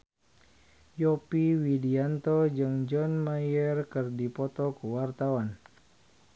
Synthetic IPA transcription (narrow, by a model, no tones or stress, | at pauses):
jɔpiwidiant̪ɔd͡ʒɨŋd͡ʒɔnmajɛrkɨrdipɔt̪ɔkuwart̪awan